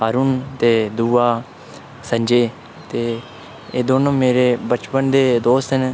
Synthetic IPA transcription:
ɦaːɾuːnt̪eːd̪uːaː | sə̃ɲd͡ʒeː | t̪eː | eːd̪oːnõːmeːɾeːbət͡ʃpənd̪eːd̪oːst̪ɦɪn

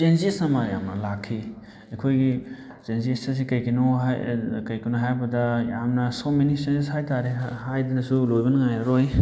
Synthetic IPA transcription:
t͡ʃenzisɐmɐja̰mnɐlakʰːi | ekʰojɡi | t͡ʃenzistɐsikɐjkinoɦkɐjkinoɦajbɐdɐjamnɐsomenisenzishajtaɾehajdɐnɐsulojbɐnŋajɐɾoj

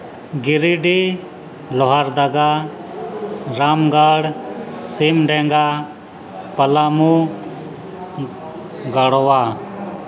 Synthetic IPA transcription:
ɡiɾiɖi | lɔɦaɾd̪əɡa | ɾamɡaɽsimɖɛŋɡa | pəlamu | ɡəɽɔwa

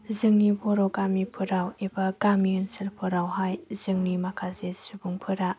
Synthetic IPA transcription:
zɯŋnibɔɾɔɡamipʰɯɾawebɐɡamiɯnsilpʰɯɾawɦajzɯŋnimakʰazesubuŋpʰɯɾa

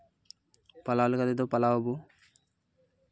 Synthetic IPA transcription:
palaolikad̪ed̪opalaobu

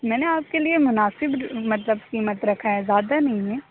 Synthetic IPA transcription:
mɛːneaːp̚keliemʊnaːsɪbmɐt̪ləbkiːmət̪ɾɐkʰaɦɛzjaːd̪anɐɦĩɦɛ̃ː

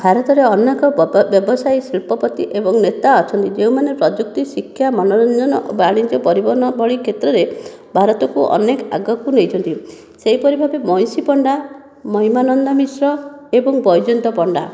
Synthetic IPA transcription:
bʱaɾɔt̪ɔɾeɔnekɔbjɔbɔsajsilpɔpɔt̪iʔebɔŋnet̪aɔt͡ʃʰɔnt̪id͡ʒeũmanepɾɔd͡ʒuk̚t̪isikʰːjamɔnɔɾɔnd͡ʒɔnɔʔobaɽ̃id͡ʒɔpɔɾibɔɾnɔbʱɔɭikʰet̪ɾɔɾe | bʱaɾɔt̪ɔkuʔɔ̰neka̰ɡɔkunejt͡ʃʰɔnt̪i | seɦipɔɾibʱabemɔj̃sipɔɳɖa | mɔɦimanɔnd̪ɔmisɾɔebɔŋbɔjd͡ʒɔnt̪ɔpɔɳɖa̰

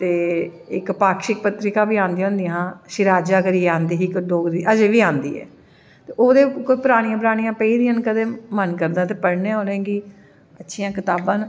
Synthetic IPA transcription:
t̪eː | ɪkpaːkʃɪk̚pət̪ɾɪkaːbiːãːnd̪ij̃õːnd̪ĩjãːʃɪɾaːd͡ʒaːkəɾieãːnd̪iːɦɪkɖoːɡd̪iːʔəd͡ʒeːʋiːãːnd̪ḭːɛ̰ː | t̪eːʔoːd̪eːkoiːpəɾaːɽ̃ijãːpɾaːɽ̃ijãːpəiːd̪iːaːnkəd̪eːmənkəɾd̪aːt̪eːpəɽneãoːlẽːɡiː | ətːʃʰiːãːkɪt̪aːbãːn

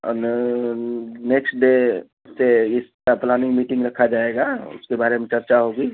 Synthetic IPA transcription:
ɔ̰n | neːksʈɖe | seɪst̪ɾaplaːnɪ̃ŋɡmiːʈɪ̃ŋɡɾɐkʰad͡ʒaːeɡaʊ̰skebaːɾemẽt͡ʃɐɾt͡ʃaɦoːɡiː

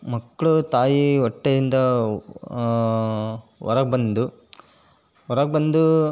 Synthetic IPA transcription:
mɐkːɐɭut̪aːjiɔʈːejind̪ɐ | ʋɔ̰ɾɐɡ̚bɐnd̪u | ʋɔɾɐɡ̚bɐnd̪u

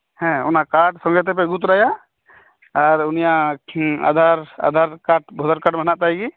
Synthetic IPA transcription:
hɛ̃unakaʈsɔ̃ŋɡɛt̪̬ɛp̬ɛɡut̪ɾaja | aɾunija | a̰d̪ʱaɾa̰d̪ʱaɾkaʈ̚bʱɔd̪ʱaɾkaʈmɦnaʔ̪̚t̪ajɡi

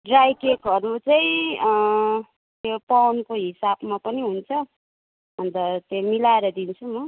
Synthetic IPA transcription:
ɖrajkekɦʌɾut͡saĩʌ | t̪jopawnkoɦisabmapʌniɦunt͡sʰʌ | ʌnt̪ʌt̪jomilaeɾʌd̪int͡sʰumʌ

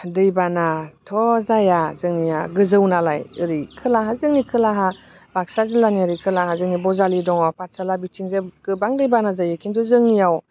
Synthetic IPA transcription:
dɯjbanatʰɔzajazɯŋnijaɡɯzɯwnalajɯɾikʰɯlaɦazɯŋnikʰɯlaɦa | b̥ak̚sazɯlaniaɾikʰɯlahazɯŋnibɔzalidɔŋapat̚salabitʰiŋzeɡ̥ɯbaŋdɯjbanazajakʰintʰuzɯŋnijaw

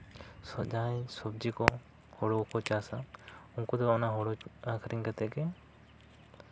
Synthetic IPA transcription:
sɔd͡ʒasɔbd͡ʒikɔ | hɔɽɔkɔt͡ʃasaʊŋkɔd̪ɔɔnaɦɔɽɔakʰɾiŋkat̪ɛkɛ

